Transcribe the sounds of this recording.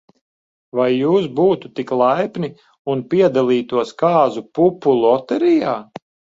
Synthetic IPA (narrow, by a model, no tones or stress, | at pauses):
vajːuːsbuːt̪ut̪iklˠajpnʲi | unpʲiɛd̪alˠiːt̪uɔskaːzupupulˠɔt̪ɛɾijaː